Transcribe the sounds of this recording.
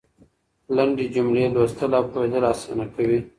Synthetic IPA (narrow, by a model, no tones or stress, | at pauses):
laɳɖed͡ʒumlelwast̪əlapʰoed̪əlasanakʰawi